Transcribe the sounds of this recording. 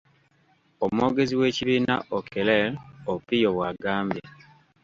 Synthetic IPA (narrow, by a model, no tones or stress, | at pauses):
omwo̞ːɡe̞ziwe̞ːciβiːna̰ʔokelelopijoβwaɡaːmbje